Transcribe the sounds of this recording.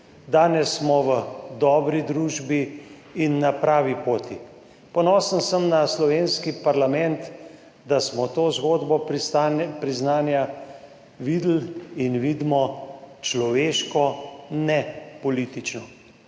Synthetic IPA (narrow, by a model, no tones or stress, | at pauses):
d̪aːnɛsːmɔʋəd̪ɔːbɾid̪ɾuːʒbiː | nːapɾaːʋipoːt̪i | pɔnɔːsənsəmnaslɔʋeːnskipaɾlamɛnt̪ | d̪asmɔt̪oːzɡoːd̪bɔ | pɾiznaːnja | ʋiːd̪l̩inʋiːd̪mɔt͡ʃlɔʋeːʃkɔnɛpɔliːt̪it͡ʃnɔ